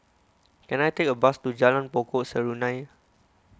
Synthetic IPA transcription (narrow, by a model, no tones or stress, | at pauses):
kɛ̃najtekəbastud͡ʒalãnpɔkɔʔsəɹunãj